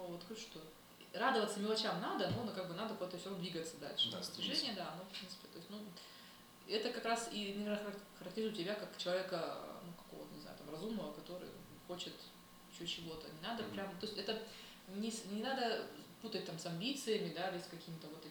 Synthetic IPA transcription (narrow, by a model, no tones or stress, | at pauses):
novot̪xoʂt̪o̞ | rad̪əvət̪səmʲɪlˠɐt͡ɕamnad̪ənunkaɡ̚bɨnad̪əpot̪əsʲond̪vʲiɡət̪sːəd̪a̰lʲʂɨd̪asʲt̪ʲɪʐɛnʲɪjəd̪aɐnofpɾʲint̪sɨ̥pʲɪt̪o̞ɪsʲtʲnu | ɛt̪əkɐkɾasinɐvʲernəxəɾɐktʲɪɾizʊtʲɪbʲakakt͡ɕɪlˠɐvʲekə̰nukɐ̥ko̞və̰t̪nʲɪzna̰ʊt̪amrɐzumnəvəkɐt̪o̞ɾɨ̰j | xo̞t͡ɕɪt̪ | ɪɕːot͡ɕːɪvo̞t̪ənʲɪnad̪əpɾʲamt̪osʲtʲɛt̪ə | nʲɪsnʲɪnad̪əput̪ət̚ʲt̪amsɐmʲbʲit̪sɨjəmʲɪd̪aɾʲɪsʲkɐkʲimʲɪt̪əvo̞t̪